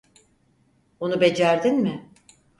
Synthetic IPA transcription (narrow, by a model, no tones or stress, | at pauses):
onubed͡ʒæɾd̪inmɪ